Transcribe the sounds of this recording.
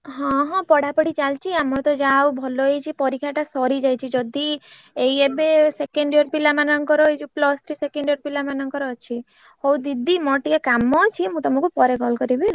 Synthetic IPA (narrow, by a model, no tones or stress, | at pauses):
ɦɔ̃ɦɔ̃pɔɽapɔɽit͡ʃalt͡ʃʰiamɔɾt̪ɔd͡ʒawbʱɔlɔet͡ʃʰipɔɾikʰaʈasɔɾid͡ʒajt͡ʃʰid͡ʒɔd̪i | ejebesekeɳɖijɔɾpilamanɔŋkɔɾɔjd͡ʒuplɔst̪ʰɾisekeɳɖijɔɾpilamanɔŋkɔɾɔt͡ʃʰi | howd̪id̪ʱimɔʈiekamːɔt͡ʃʰimũt̪ɔmɔ̃kupɔɾekɔlkɔɾibil